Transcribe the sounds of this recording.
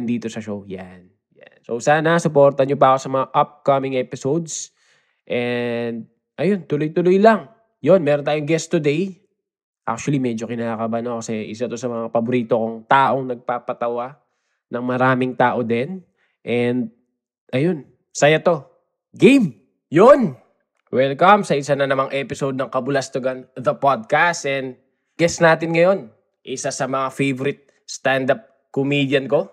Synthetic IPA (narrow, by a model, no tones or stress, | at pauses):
nd̪iːt̪o̞sɐʃowjan | jansowsaːnɐsʊpo̞ɾt̪ɐɲop̬ɐʔɐko̞sɐmɐŋaʔap̚kɐmɪŋɛpɪsowd̪s | ʔɛnd̪̚ | ʔɐjo̞nt̪ʊlojt̪ʊlojlɐŋ | jo̞nmɛːɾont̪aːjoŋɡɛst̪ʊd̪ej | ʔa̰k̚t͡ʃʊwɐlimɛd͡ʒokɪnaːkɐbanokɐsɛʔɪ̰s̬at̪o̞sɐmɐŋapɐbʊɾiːt̪okoŋt̪aːʔo̞ŋnɐɡ̚paːpɐt̪ɐwa | nɐŋmɐɾaːmɪŋt̪aːʔo̞d̪ɛn | ʔɛnd̪̚ | ʔɐjo̞n | sɐjɐt̪o̞ | ɡejm | jon | wɛlkɐmsɐʔɪsanɐnɐmaŋʔɛpɪsod̪̚nɐŋkɐbʊlɐst̪oɡɐnðɐpad̪̚kast̪ɛnd̪̚ | ɡ̥ɛsnaːt̪ɪnŋɐjo̞n | ʔɪsasɐmɐŋafejvoɾɪt̪̚ | st̪and̪ap̚ | komid̪jɐnko̞